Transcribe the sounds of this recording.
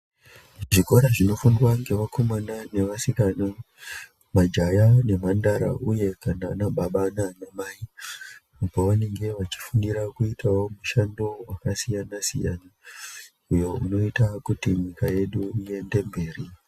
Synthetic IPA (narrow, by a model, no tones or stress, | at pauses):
ʐiko̞ɾaʐino̞fundwaŋɡe̞ʋakʰo̞manane̞ʋasikana | mad͡ʒajane̞mandaɾa̰ʔuje̞kananaɓaɓananamai | poʋane̞ŋɡe̞ʋat͡ʃi̥fundiɾakuitʰawo̞muʃando̞wakasijanasḭja̰na | ujo̞uno̞itakutimikaje̞ɗuije̞nde̞mbe̞ːri